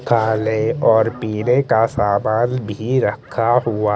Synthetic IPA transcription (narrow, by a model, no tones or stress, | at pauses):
kʰaːleɔːɾpiːnekasaːmaːnbʱiɾəkʰaɦʊaː